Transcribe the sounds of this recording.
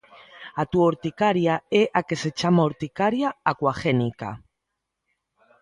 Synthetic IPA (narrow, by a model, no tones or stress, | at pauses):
at̪uoɾt̪ikaɾjaeʔakeset͡ʃamaoɾt̪ikaɾjaakwaxenika̰